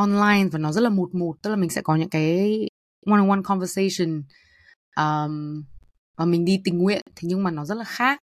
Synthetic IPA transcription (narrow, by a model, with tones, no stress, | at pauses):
ʔɔ˧nlaː˧jnvaː˨˩nɔ˨˦zə˦˥t̚laː˨˩mo˨˩t̚mo˨˩t̚t̪ɨ˦˥k̚la˨˩ï˨˩ŋsɛ̰˧˥kɔ˨˦ɲɨ̰˧˥ŋkaː˨˦j | wa˧nə˨wa˧nkʰɔ˧nvə˧se˧jsə˨˩n | ʔəː˨˩m | vaː˨˩mï˨˩ŋ̟ɗi˧t̪ï˨˩ŋ̟ŋwḭ˧˨ənt̪ʰe˨˦ɲɨ˧ŋmaː˨˩nɔ˨˦zə˦˥t̚laː˨˩xaː˦˥k̚